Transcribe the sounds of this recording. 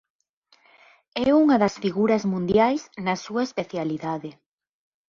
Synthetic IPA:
ɛuŋɐðɐsfiɣuɾɐzmũnd̪jajznɐsuɐespeθjaliðaðe

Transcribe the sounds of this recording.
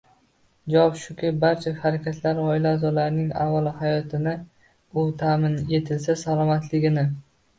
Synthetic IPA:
d͡ʒawɒpʃʊkʲabaɾt͡ʃʰahaɾakʲʰat̪ʰlaɾɒɪlaːzɒlaɾnɪŋa̰vːalˠhajɒt̪ʰɪnɪ | ʊt̪ʰamɪnje̞t̪ʰɪlsasalˠɒmat̪ʰlɪɡʲɪnɪ

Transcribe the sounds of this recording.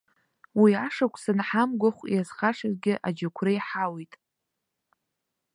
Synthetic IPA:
wiaʂakʷʰʼsɨnħamɡʷaχʷjazχaʂarɡʲɪʔa̰d͡ʒakʷʰrɨjħawitʼ

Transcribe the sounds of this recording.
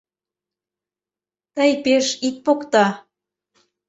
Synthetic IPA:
t̪əjpeʃik̪̚pokt̪ɑ

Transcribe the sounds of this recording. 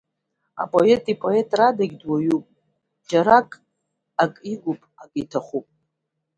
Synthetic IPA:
a̰pʼoetʼipʼo̞e̞tʼradaɡʲdwajupʼ | d͡ʒaɾakʼ | akʼiɡʷupʼaɡitʰaχʷupʼ

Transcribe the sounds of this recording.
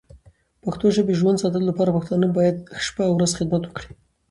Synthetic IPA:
paxt̪oʒəbeʒwand̪sɑt̪əlolapɑɾapaxt̪ɑnəbɑjad̪̚ʃpawɾazxɪd̪̚mat̪wəkɽi̥

